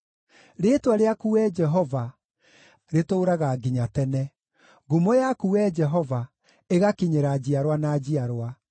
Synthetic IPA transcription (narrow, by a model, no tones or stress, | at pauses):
ɾeːtwaɾeakuɛd͡ʒɛɦɔva | ɾetoːɾaɣaɡiɲatɛnɛ | ɡumojakuɛd͡ʒɛɦɔva | eɣakiɲeɾad͡ʑiaɾwanaːd͡ʑiaɾwa